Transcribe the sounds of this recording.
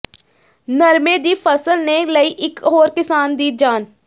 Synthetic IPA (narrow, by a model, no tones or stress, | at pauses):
nəɾmeːd̪iːpʰəsəlnẽləiːʔɪkɦoːɾkɪsaːnd̪iːd͡ʒaːn